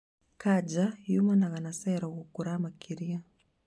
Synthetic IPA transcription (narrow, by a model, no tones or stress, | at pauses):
kad͡ʒajumanaɣanasɛɾakukuɾamakʰiɾia